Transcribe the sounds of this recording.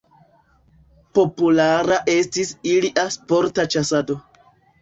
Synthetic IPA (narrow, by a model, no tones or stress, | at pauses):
po̞pulaɾaʔe̞stisiliʔaspo̞ɾtat͡ʃasado̞